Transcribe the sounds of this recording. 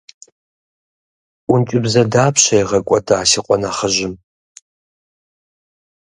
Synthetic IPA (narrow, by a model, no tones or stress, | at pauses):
ʔʷʊnt͡ʃʼɪbzɐdaːpʰɕɐjʁɐkʷʼɔdaːsiqʷʼɔnaχəʒɪm